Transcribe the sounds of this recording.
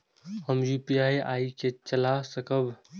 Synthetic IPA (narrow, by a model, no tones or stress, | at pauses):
həmjupiaːia̰iket͡ʃəlasəkəb